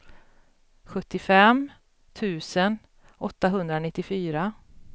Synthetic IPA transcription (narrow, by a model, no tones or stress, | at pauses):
ɧɵt̪ːɪfɛm | t̪ʰʉ̟ːsən | ɔt̪ːaɦɵnd̪ɾanɪt̪ːɪfyːɾa